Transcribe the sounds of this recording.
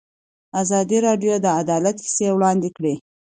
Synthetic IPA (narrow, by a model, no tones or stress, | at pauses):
azɑd̪iɾɑɖjod̪əad̪ɑlat̪hi̥sewɽɑnd̪ɪkɽe